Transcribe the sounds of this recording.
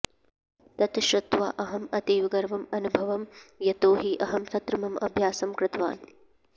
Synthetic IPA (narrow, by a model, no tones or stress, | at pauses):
t̪ɐt̪ʰʃɾɐt̪ʋa̰ːʔɐɦɐmɐt̪iːʋɡɐɾʋɐmɐnubʱɐʋɐmjɐt̪oːɦiʔɐɦɐmt̪ɐt̪ɾɐmɐmɐ̰bʱjaːsɐmkɾɪt̪ʋa̰ːn